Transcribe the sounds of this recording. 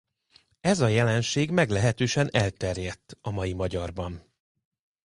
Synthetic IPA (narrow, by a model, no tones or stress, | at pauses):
ɛzɒjɛlɛnʃeːɡmɛɡlɛɦɛt̪øːʃɛnɛlt̪ɛrjɛt̪ːɒmɒjimɒɟɒrbɒn